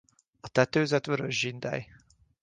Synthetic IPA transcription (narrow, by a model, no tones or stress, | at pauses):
ɒt̪ɛt̪øːzɛt̪ʋøɾøʒːind̪ɛ̰j